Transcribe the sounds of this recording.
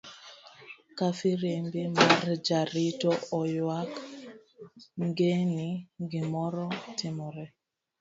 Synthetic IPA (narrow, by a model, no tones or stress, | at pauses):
kafiɾembimaɾd͡ʒaɾitɔɔjwak | ŋɡeniɡɪmɔɾɔtɪmɔɾɛ